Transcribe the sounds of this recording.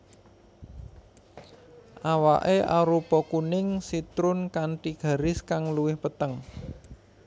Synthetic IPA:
ʔawa̰ʔeʔaɾupɔkunɪŋsit̪ɾʊnkaɳʈiɡ̥ä̤ɾɪskaŋluwɪhpət̪əŋ

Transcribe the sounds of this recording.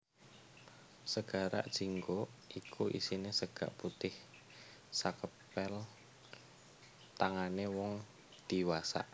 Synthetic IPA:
səɡ̥a̤ɾa̰ʔd̥ʒ̥iŋɡoʔikʰuʔḭsinesəɡ̥a̰ʔput̪ɪh | sakəpɛl | t̪aŋanewɔŋ | d̪̥iwasa̰ʔ

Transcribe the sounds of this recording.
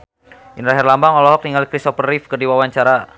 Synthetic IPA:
ʔinɾaɦɛrlambaŋɔlɔɦɔk̚t̪iŋalikɾist̪ɔfərːifkərdiwawaɲt͡ʃaɾa

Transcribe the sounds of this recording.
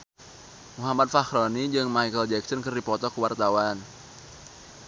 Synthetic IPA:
muɦamat̪̚fahɾonid͡ʒɨŋmaijkəld͡ʒɛk̚sənkərdipɔt̪ɔkəwart̪awan

